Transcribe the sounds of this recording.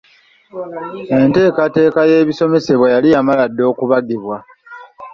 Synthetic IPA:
e̞nte̞ːkate̞ːkaje̞ːβiso̞me̞se̞βwajalijamaladːo̞ːkuβaɡiβwa

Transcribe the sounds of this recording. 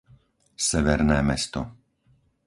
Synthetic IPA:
sɛʋɛɾnɛːmɛst̪ɔ

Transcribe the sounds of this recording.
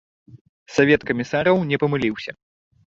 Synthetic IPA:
savʲɛt̪kɐmʲisaɾɐwnʲɛpɐmɨlʲiwsʲɐ

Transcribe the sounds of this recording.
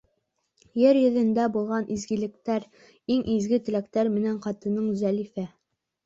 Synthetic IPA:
jɘɾjɵ̆ðɘ̆nd̪æbulˠʁɑnʔizɡɘ̆lɘ̆k̚t̪æɾ | iŋʔizɡɘt̪ɘ̆læk̚t̪æɾmɘ̆næɴqɑt̪ɤ̆nɤɴzælifæ

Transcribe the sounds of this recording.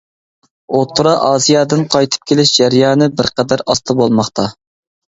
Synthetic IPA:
ot̪ʰːɾɑʔɑːzijɑːd̪ɨnqʰɑjt̪ʰɨ̥p̚kʲʰelɪʃd͡ʒæɾjɑːnɨbɪɾqʰɛd̪æɾɑst̪ʰɨbolˠmɑχt̪ʰɑ

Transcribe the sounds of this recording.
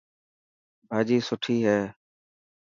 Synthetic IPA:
bʱaːd͡ʒiːsʊʈʰiːɦɛː

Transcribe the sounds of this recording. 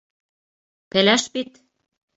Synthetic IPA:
pelæʃpit̪

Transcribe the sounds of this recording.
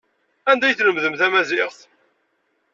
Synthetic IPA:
ænd̪æjθləmðəmθæmæzɪʁθ

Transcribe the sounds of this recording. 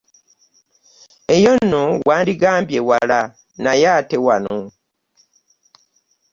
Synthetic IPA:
e̞jonːowaːndiɡaːmbjewala | najaːtewano

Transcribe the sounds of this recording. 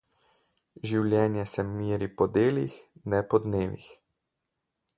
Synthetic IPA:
ʒiwlʲjɛːnjɛsɛmiːɾipɔd̪eːlixnɛpɔd̪neːʋḭx

